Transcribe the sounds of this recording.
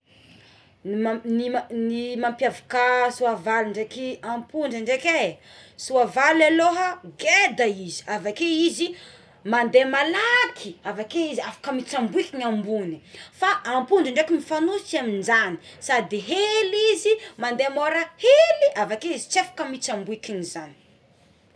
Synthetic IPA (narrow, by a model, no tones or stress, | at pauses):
aninimampjavi̥kasuavaliɳɖ͡ʐekiampuɳɖ͡ʐəɳɖ͡ʐekesuavalaloɦəɡed̪aizi̥avakeizi | mand̪emalakʰiavakeiziafḁkəmit͡sambuikinambunifaʔːmpuɳɖ͡ʐəɳɖ͡ʐekimifanusit͡ʃaminzani̥sad̪iɦelizimand̪emoɾəheliʔavakeizit͡sefḁkəmit͡sambuikinizani̥